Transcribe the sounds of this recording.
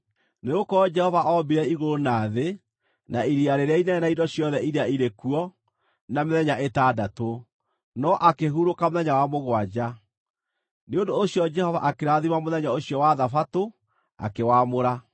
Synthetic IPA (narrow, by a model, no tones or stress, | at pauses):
neɣokɔɔd͡ʒɛhɔvaʔɔmbiɾɛiɣoɾonaːðe | naiɾiaɾeɾeainɛnaindɔɕjɔðɛiɾeaiɾekuɔ | nameðɛɲaʔetaːdato | nɔʔakeɦuɾokamoðɛɲawamoɣwad͡ʑa | neondoːɕjɔd͡ʒɛhɔva̰ʔakeɾaðimamoðɛɲaoɕjɔwaðafato | a̰kewamoɾa